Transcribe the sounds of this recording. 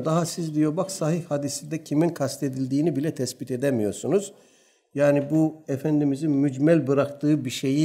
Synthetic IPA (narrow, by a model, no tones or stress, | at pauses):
d̪aɦasizd̪ijobaksaɦiçhad̪isid̪ɛcʰiminkʰast̪ʰe̞d̪ilʲd̪iːnibilʲɛt̪ʰɛsbit̪ʰe̞d̪ɛmijo̞ɾsunuz̥ | jaːnibuefænd̪imizinmyd͡ʒmælʲbɯɾakt̪ʰɯːbiʃe̞ji